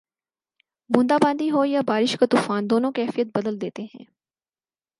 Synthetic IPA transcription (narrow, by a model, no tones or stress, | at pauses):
mʊ̃nd̪aːbãːnd̪iɦojabaːɾɪʃkat̪uːfaːnd̪oːnõkɛːfijət̪̚bəd̪əld̪eːt̪eɦɛ̰̃ː